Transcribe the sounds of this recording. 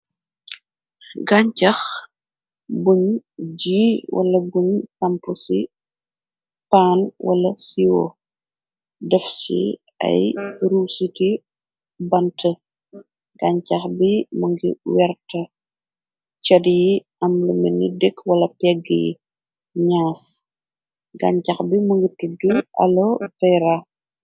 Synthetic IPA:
ɡaɲcɐx | buɲɟiːwʔɐ̰lɐbuɲsɐmpusi | paːnwʔɐ̰lɐsiwɔ̰ | dɛfsḭ | ɐ̰jɾuːsiti | bɐntʰɐ | ɡaɲcɐxbimuŋɡḭwɛrtɐ | t͡ʃɐdji | ɐmlɐmɛnːidɛkːwɐlɐpɛɡːəjḭ | ɲaːs | ɡɐɲcɐxbimuŋɡituduɐ̰lɔfɛɾa

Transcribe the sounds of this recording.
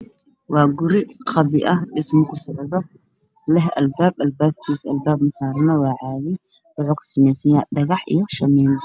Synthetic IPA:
wɑːɡʊɾɪqɑβɪʔɐhɖɪsmɐkʰʊsɔʕðɔ | lɛɦʔɐlbaːbɐlbaːb̚kʰiːsɐlbaːbmɐsaːɾnɐwɑːʕɑːðɪ | wʊʕʊːkʰɐ̥sɪmɛjsɐjaːɖɐɣɑħḭjɔʃɐmɛːn

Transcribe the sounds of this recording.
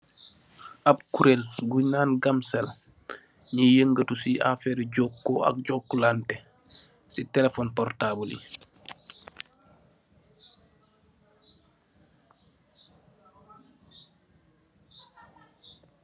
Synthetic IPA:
ʔab̚kuɾelɡuɲaːnɡamsɛl | ɲijəŋɡətusiʔa̰fɛːɾɟokːɔɐ̰k̚ɟɔkːulantɛ | sitɛlefɔːnpɔrtaːbulḭ

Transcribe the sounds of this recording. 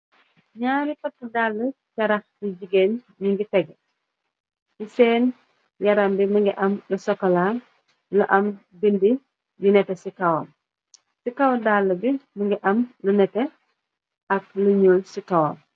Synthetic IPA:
ɲaːɾipɐtːudaːlːə | cɐɾɐxliɟiɡen | ɲiŋɡitɛɡ | isɛːn | jɐɾɐmbimiŋɡiʔɐmlusɔkːɐla | luʔɐm | bindi | jinɛtɛsikɐwom | sikɐwdaːlːəbimiŋɡiʔɐmlunɛtɛ | ɐk̚luɲoːlsikɐwɔ̰ːm

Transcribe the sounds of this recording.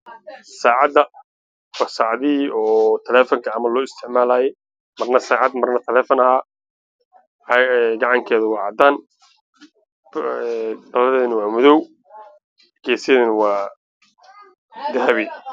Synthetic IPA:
saːʕɑd̪ːɐ | wɑːsaːʕðɪiʔɔːt̪ʰɐlɛːfɐŋkʰɐːmɐlɔːɪst̪ʰɪʕmaːlaːjɛ | mɐrnɐsaːʕɑd̪mɐrnɐt̪ʰɐlɛːfɐnɐhaː | ɛɡɑʕɑŋkʰɛːðʊwɑːʕɑd̪aːn | bɐlɐðɛːðɐnɐwɑːmʊðɔw | ɡɛːsɪjɛːðɐnɐwɑː | d̪ɐɦɐβɪ

